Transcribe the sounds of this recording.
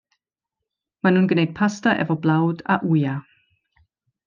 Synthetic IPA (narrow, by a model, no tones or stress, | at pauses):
manunɡənɛk̚pʰastɐʔɛ̰vəblaʊtʰa̰ʔuːja